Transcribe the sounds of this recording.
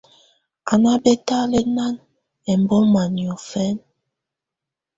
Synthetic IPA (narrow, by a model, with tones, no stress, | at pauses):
a˨na˦bɛ˦ta˦lɛ˦na˦n | ɛ˨m˨bɔ˦ma˨njɔ˨fɛ˦n